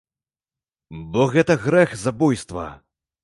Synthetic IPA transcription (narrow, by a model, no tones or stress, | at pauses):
bɔɣɛt̪ɐɣɾɛxzabujst̪vɐ̰